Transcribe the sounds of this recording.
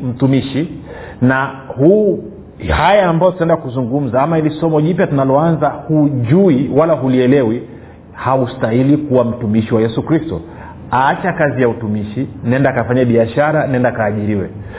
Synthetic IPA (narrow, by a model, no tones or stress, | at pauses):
m̩tumiʃi | nahu | hajaːmbajɔtutaɛndakuzuŋɡum̩zaamailisɔmɔʄipjatunalɔanzahuʄuiwalaɦuliɛlɛwi | haustailikuwam̩tumiʃiwajɛsukɾistɔ | aat͡ʃakazijautumiʃinɛndakafaɲaɓiaʃaɾanaɛndakaːʄiɾiwɛ̰